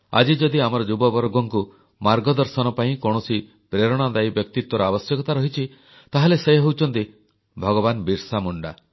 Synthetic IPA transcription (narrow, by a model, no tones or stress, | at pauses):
a̰d͡ʒid͡ʒɔd̪iamɔɾɔd͡ʒubɔbɔɾɔɡɔŋku | maɾɡɔd̪ɔɾsɔnɔpaĩkɔɽ̃ɔsi | pɾeɾɔɽ̃ad̪ajbjɔk̚t̪it̪wɔɾɔabɔsjɔkɔt̪aɾɔɦit͡ʃʰi | t̪aɦalesejɦowt͡ʃʰɔnt̪i | bʱɔɡɔbanbiɾsamuɳɖa̰